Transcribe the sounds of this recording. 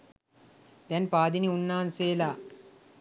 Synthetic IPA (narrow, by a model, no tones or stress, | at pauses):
d̪ɛnpaːd̪iniunːaːnseːlaː